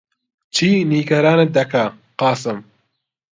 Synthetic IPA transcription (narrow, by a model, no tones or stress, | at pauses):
t͡ʃʰiːniːɡɐɾaːned̪ɐkʰa | qɑːsɨm